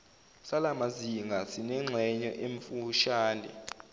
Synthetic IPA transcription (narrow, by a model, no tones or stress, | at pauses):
salamaziŋɡʱasinɛŋ͡ǁʱɛɲɔʔeɱfuʃaːnɛ̰